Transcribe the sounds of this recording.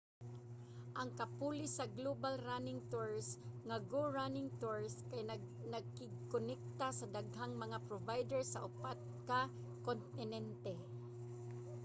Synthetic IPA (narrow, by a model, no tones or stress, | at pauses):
ʔɐŋkɐpulɪsɐɡlobalɾanɪŋt̪uɹsŋɐɡoɹanɪŋt̪uɹskaj | nɐɡ̚kɪɡ̚konɛk̚t̪asɐd̪aɡ̚ɦaŋmɐŋapɾovajd̪ɛɹsɐʔʊpat̪̚ka | kont̪ɪnɛnt̪ɛ